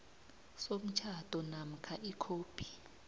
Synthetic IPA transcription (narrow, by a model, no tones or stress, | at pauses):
som̩t͡ʃʰad̥ʱɔnam̩kʰaʔikʰoːpʰʼi̥